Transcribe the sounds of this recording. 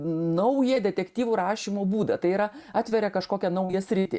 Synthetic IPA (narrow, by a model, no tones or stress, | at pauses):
nɐʊjɛd̪ʲɛt̪ʲɛkt̪ʲiːʋʊːɾɑːʃʲiːmoːbuːd̪ɐ̰t̪ɐɪiːɾɐɑːt̪ʲʋʲɛɾʲɛkɐʃkoːkʲɛnɐʊjɛsʲɾʲɪt̪ʲɪ